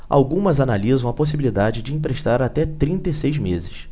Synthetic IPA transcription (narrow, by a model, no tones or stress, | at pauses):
a̰wɡũmɐzanalizɐ̃w̃ɐpos̬ibilid̪ad͡ʒɪd͡ʒɪĩmpɾeʃt̪aɾat̪ɛt̪ɾĩnt̪ɐisejzmezɪs